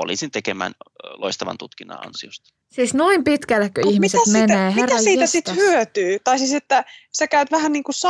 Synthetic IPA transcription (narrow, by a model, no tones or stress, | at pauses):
o̰liˑsint̪ekemæ̰ːnloist̪ɑʋɑ̰nt̪ut̪kinːɑ̰ɑ̰nsiost̪ɑ̥ | siːsnuimpit̪kælːækːøihmiseæmeneːɦierɑiːeæsit̪ːhyøt̪yːt̪ɑisiːset̪ːæsekæyt̪ʋæhænniːŋkusɑ